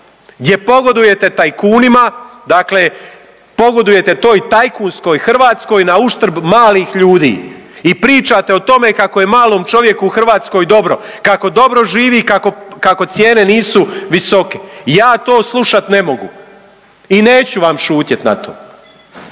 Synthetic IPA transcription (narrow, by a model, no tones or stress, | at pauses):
ɡd̪ʲje̞po̞ɡo̞d̪uje̞t̪e̞t̪ajkuːnimad̪akle̞ | po̞ɡo̞d̪uje̞t̪e̞t̪o̞ːjt̪ajkuːnsko̞jxr̩ʋaːt̪sko̞ːjnauʃt̪ɾ̩bmaːliːxʎuːd̪ḭː | ipɾiːt͡ʃat̪e̞ot̪o̞me̞kakoje̞maːloːmt͡ʃo̞ʋje̞kuːxr̩ʋaːt̪sko̞jd̪o̞bɾo̞̰kako̞d̪o̞bɾo̞ʒiːʋikakokako̞t̪sje̞ːne̞niːsuʋiso̞kejaːt̪o̞ːslˠuʃat̪ne̞mo̞ɡṵ | ine̞ːt͡ɕuʋamʃuːt̪jet̪na̰t̪o̞̰ː